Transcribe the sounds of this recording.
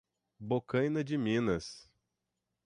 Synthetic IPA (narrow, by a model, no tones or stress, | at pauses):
bokɐ̃jnɐd͡ʒɪmĩnɐs